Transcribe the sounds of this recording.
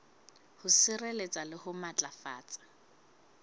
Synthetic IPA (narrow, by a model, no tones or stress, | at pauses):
hʊsɪrelet͡sʼalɪhʊmat͡ɬʼafa̰ːt͡sʼḁ